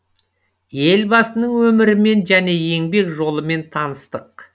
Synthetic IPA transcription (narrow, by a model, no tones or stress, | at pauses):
je̞lbɑsənəɴwɵmɪɾɪme̞nʒæne̞je̞ŋbe̞kʒo̞lˠəme̞nt̪ʰɑnəst̪əq̚